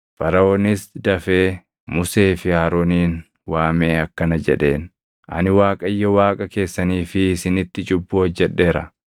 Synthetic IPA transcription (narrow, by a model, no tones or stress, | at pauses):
fɐɾɐoːnɪsd̪ɐfeː | mʊse̞ːfɪhaːɾoːniːn | waːme̞ːɐkːɐnɐd͡ʒɛᶑe̞ːn | ʔɐ̰nɪwaːkʼɐjːɔwaːkʼɐke̞ːsːɐniːfɪːsɪnɪt̪ːɪt͡ʃʼʊbːuːɐd͡ʒːɛᶑːe̞ːɾɐ̰